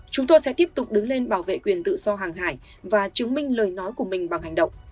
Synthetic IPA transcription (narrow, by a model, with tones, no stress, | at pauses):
t͡ɕʊ˨˦ŋ͡mt̪o˧jsɛ̰˧˥t̪i˦˥əp̚t̪ʊ˨˩k͡p̚ɗɨ˨˦ŋle˧nɓaː˧˩wvḛ˧˨kwi˨˩ənt̪ɨ̰˧˨z̥ɔ˧ɦaː˨˩ŋɦaː˧˩j | vaː˨˩t͡ɕɨ˨˦əŋmï˧ŋ̟ləː˨˩jnɔ˨˦jku˧˩əmï˨˩ŋ̟ɓa˨˩ŋha˨˩ŋ̟ɗə̰˧˨wŋ͡m